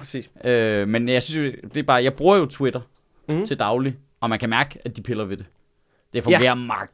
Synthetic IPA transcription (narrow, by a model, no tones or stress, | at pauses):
sḭsømenjɑ̈ɪsynso̝d̥e̝b̥ɑ̈ːjɑ̈ɪb̥ʁuːɐjo̝t͡sʰwe̝ɾ̥ɐ | t͡sʰe̝ld̥ɑ̈ʊli | ɒ̽mænkʰæmæɐɡ̥əæd̥ipʰe̝lɐʋe̝d̥e̝ | d̥efɔ̽ŋɡḛːɐmɑ